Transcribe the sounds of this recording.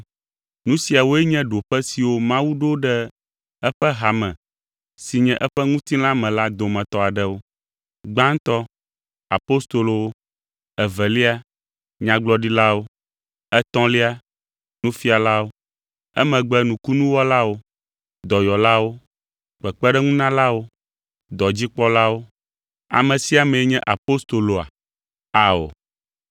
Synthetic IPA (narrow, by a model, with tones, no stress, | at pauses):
nũ˦si˨a˨wo˦ɛ˦ɲɛ̃˦ɖo˨ɸɛ˦si˨wo˦mã˦wu˦ɖo˦ɖɛ˦ | ɛ˦ɸɛ˦ɦa˨mɛ̃˨ | si˨ɲɛ̃˦ʔɛ˦ɸɛ˦ŋũ˦t̪ĩ˦lã˦mɛ̃˨la˦d̪o˨mɛ̃˨t̪ɔ˦a˨ɖɛ˦wo˦ | ɡ͡bã˦ŋ˦t̪ɔ˦ | a˨po˦st̪o˨lo˨˦ | ɛ˨vɛ˨li˦a˦ | ɲã˨ɡ͡blɔ˦ɖi˦la˦wo˦ | ɛ˦t̪ɔ̃˦li˦a˦ | nũ˦fi˦a˨la˦wo˦ | ɛ̰˦mɛ̃˨ɡ͡bɛ˦nũ˨ku˦nũ˦wɔ˦la˦wo˦ | d̪ɔ˨jɔ˨la˦wo˦ | k͡pɛ˨k͡pɛ˦ɖɛ˦ŋũ˦nã˦la˦wo˦ | d̪ɔ˨d͡ʑi˦k͡pɔ˦la˦wo˦ | a̰˨mɛ̃˨si˦a˨mɛ̃˨˦ɲɛ̃˦ʔa˨po˦st̪o˨lo˨a̰˨ | a˨o̰˨